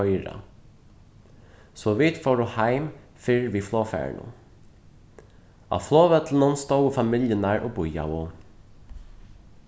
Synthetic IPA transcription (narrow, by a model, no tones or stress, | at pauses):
œʏɾɑ̰ | sɔʋiːt̪fɔɹʊhæɪm | fɪɹʋiːfloːfæ̰ɳʔṵ | ʔɑ̰ːfloːʋɛt̪ln̩ɔnst̪ɔʊəfɑmɪljənæːɹʔoːbʊjɑ̰ʋo